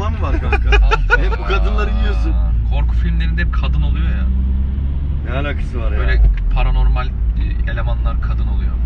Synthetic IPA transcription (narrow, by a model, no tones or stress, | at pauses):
amfaɾkankaahɛpbukʰad̪ɯnlˠaɾɯjijosunkʰo̞ɾkʰu̥filʲmlʲe̞ɾind̪ɛpkʰad̪ɯno̞lˠujoja | mealakʰɯ̥sɯvaɾøjlʲepʰaɾano̞ɾmalʲelʲe̞manlˠaɾkʰad̪ɯno̞lˠujo